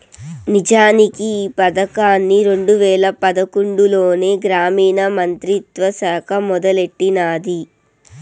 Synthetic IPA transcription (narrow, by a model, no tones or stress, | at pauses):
nid͡ʒaːnikiːpɐd̪ɐkaːnːiɾeɳɖuʋɛːlɐpɐd̪ɐkuɳɖulo̞ːne̞ːɡɾaːmiːnɐmɐnt̪ɾit̪ʋɐsaːkʰɐmɔd̪ɐle̞ʈːinaːd̪i